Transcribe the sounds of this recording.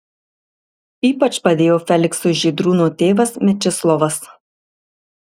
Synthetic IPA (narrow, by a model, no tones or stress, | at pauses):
iːpɐt͡ʃpɐd̪ʲeːjoːfʲɛlʲɪksʊʒʲiːd̪ɾuːnot̪ʲeːʋɐsmʲɛt͡ʃʲɪslˠɔʋɐs